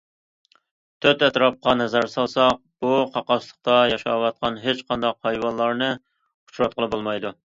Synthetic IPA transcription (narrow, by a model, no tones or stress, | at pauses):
t̪ʰøt̪ɛt̪ɾɑp̚qɑnɛzæɾsɑlˠsɑq̚b̥uqʰɑqɑʃlˠəχ̚t̪ɑjɑʃɑ̰wɑt̪̚qʰɑnɦet͡ʃqʰɑnd̪ɑqhɑjwɑnlˠːɑɾnɨ | u̥t͡ʃɾɑt̪̚qʰəlˠɨbolˠmɑjd̪u